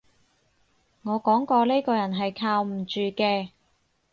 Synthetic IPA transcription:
ŋɔː˨˧kɔː˨˥ŋkɔː˧le˥kɔː˧jɐ˨˩nɦɐ˨jkʰaː˧wm̩˨˩t͡ʃyː˨kɛː˧

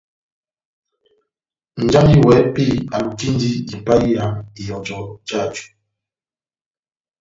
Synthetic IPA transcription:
n̩˨d͡ʒa˦ŋi˦wɛ˨˦pi˦˨a˨m̩˨ti˦n˦di˦i˨pa˦i˦a˨˦mi˨jɔ˨d͡ʒɔ˨d͡ʒa˦˨d͡ʒu˨

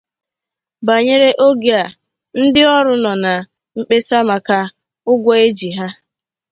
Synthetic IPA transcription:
ba˨ɲe˦ɾe˦ʔo˦ɡe˦a˨ | n̩˦dɪ˦ɔ˦ɾʊ˦nɔ˨na˨ | ŋ͡m̩˨k͡pe˦sa˦ma˨ka˦ | ʊ˦ɡʷɔ˦e˦d͡ʒi˨ɦa˦

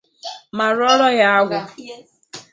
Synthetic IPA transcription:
ma˨ɾɔ˦ɾɔ˦ja˦a˦ɡʷʊ˨

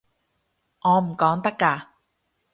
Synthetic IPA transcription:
ŋɔː˨˧m̩˨˩kɔː˨˥ŋt̪ɐ˥kːaː˧

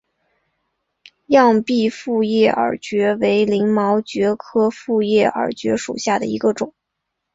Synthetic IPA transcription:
jɑ˥˧ŋpi˥˧fu˥˧jɛ˥˩ʔə̰˞˨˩t͡ɕɥɛ˧˥we˧˥ɪli˧˥ŋmɑ˧˥ʊt͡ɕɥɛ˧˥kʰɤ˥fu˥˧jɛ˥˩ə̰˞˨˩t͡ɕɥɛ˧˥ʂṵ˨˩ɕja˥˩d̪ə̰˩ḭ˧˥ɡə˧ʈ͡ʂʊ˨˩˦ŋ

